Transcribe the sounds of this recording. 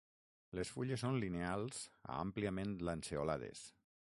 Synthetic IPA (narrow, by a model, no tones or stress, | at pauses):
lesfuʎesːonlinealˠza̰a̰mpliamẽnlanseolaðḛs